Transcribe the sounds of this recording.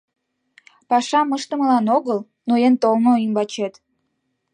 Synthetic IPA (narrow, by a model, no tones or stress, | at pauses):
pɑʃɑməʃt̪ə̆məlɑnoɣəl | noent̪olnoimbɑt͡ɕet̪